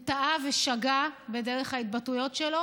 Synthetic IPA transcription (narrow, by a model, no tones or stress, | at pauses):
taʔaveʃaɡabe̞de̞ʁeχhait̚batujo̞tʃelo̞